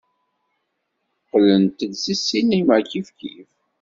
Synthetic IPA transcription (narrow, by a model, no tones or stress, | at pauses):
qːlənt̪əd̪sisːinimækifkḭf